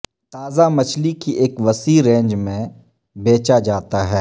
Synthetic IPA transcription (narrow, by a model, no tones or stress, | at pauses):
t̪aːzamɐt͡ʃʰlikiʔeːkʋɐsiːɾẽːɲd͡ʒmẽ | beːt͡ʃad͡ʒaːt̪aɦɛː